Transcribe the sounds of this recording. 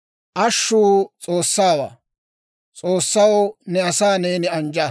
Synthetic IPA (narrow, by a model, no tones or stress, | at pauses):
ʔɐʃːuːt͡sʼo̞ːsːaːwa̰ː | t͡sʼoːsːɐwɔnɛɐsaːneːnɪɐnd͡ʒɐ